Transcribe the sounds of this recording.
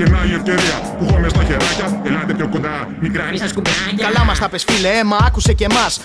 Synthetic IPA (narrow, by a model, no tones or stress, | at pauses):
enɐioft̪eðiɐ | puxomest̪ɐçeɾɐcɐelɐnt̪epçokond̪ɐ | mikɾɐssukɐlɐmɐst̪ɐpesfileemɐɐkuse̞ce̞mɐs